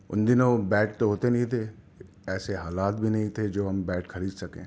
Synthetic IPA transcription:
ʊ̰nd̪ɪnõbɛːʈ̚t̪oɦoːt̪enɐɦĩt̪ʰe | ɛːseɦaːlaːt̪bʱinɐɦĩt̪ʰed͡ʒoːɦɐmbɛːʈxɐɾiːd̪sɐkḛ̃ː

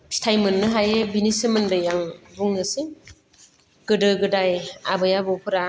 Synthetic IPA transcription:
stʰajmɯnːɯɦajebinisɯmɯndɯjaŋbuŋːɯsiŋ | ɡ̥ɯdɯɡɯdaja̰bɯjabɔpʰɯɾa

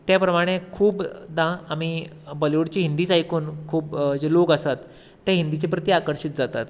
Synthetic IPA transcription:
t̪japɾəmaɽ̃ekʰuːbd̪ãami | bəlʋuɽt͡ɕiːɦind̪iːt͡sajkuːnkʰuːpd͡ʑelokəsat̪ː | jaɦind̪it͡ɕepɾət̪iakəɾɕit̪̚d͡zat̪at̪

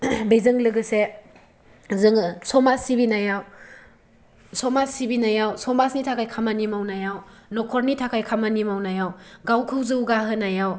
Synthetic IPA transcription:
bejzɯŋlɯɡɯse | zɯŋsɔmasibinajaw | sɔmasibinajawsɔmasnitʰakʰajkʰamanimawnajawnɔkʰɔɾnitʰakʰajkʰamanimawnajawɡawkʰɯwzɯwɡaɦɯnajaw

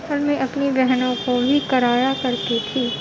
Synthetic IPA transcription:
əlmẽʔɐpnibɛɦnõkobʱikɐɾaːjakɐɾt̪it̪ʰiː

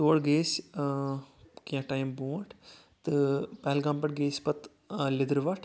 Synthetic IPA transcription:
t̪oːɽɡeːs | kjãʈaːjmbũːʈʰ | t̪ɨpɐɦlɡãːmpɐʈɡeːspɐt̪ | lɪd̪ɾʋɐʈʰ

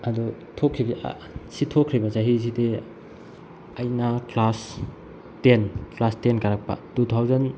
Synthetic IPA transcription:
adɔ | tʰokʰːib̰ | sitʰokʰɾibɐsaɦis̬ide | ɐjnaklas | tenklastenkaɾak̚pa̰tutʰawzɐn

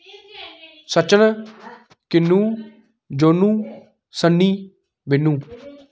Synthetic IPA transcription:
sət͡ʃən | kɪnːũː | d͡ʒoːnːũː | sənːiː | bɪnːũː

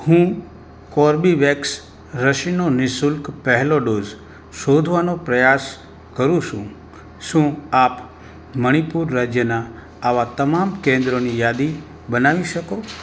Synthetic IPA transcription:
hũ | koɾbiʋeks | ɾəʃinonɪsʊlkpɛɦɛloɖoːz | ʃod̪ʱʋanopɾəjas | kəɾũʃũ | ʃũap | məɽ̃ipuɾːad͡ʒjənaː | ʋat̪əmamkẽnd̪ɾonijaːd̪i | bənaʋiʃəko

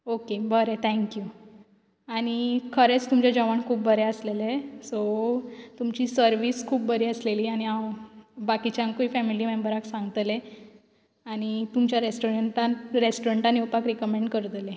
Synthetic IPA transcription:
okebəɾet̪ʰɛ̃ŋkju | aɽ̃ikʰəɾet͡st̪umt͡ɕad͡ʑəʋaɳkʰuːp̚bʱəɾɛəslelesot̪umt͡ɕiːsəɾʋiːskʰuːp̚bʱəɾiəsleliːaɽ̃iawbakit͡ɕãŋkuifɛmilimembəɾaksãŋɡt̪le | aɽ̃it̪umt͡ɕjaɾesʈoɾeɳʈaɾesʈoɾeɳʈanewpakɾikəmẽɳɖkəɾt̪le

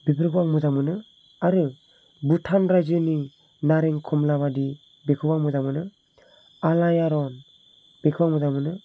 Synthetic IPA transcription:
bipʰiɾɡʰɯwaŋmɯzamɯnɯ | aɾɯ | butʰanɾajzɯni | naɾeŋkʰɔmlabadi | bekʰɯwaŋmɯzamɯnɯ | alajaɾɔn | b̥ekʰɯwaŋmuzamɯnɯ

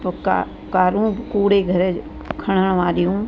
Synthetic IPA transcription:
pkː | kaːɾũːkuːɽeɡʱəɾe | kʰəɽ̃əɳ̃ʋaːɾijũː

